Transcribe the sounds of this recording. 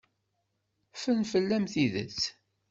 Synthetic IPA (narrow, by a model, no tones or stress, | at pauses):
fənfəlːæmθiðə̰t͡sː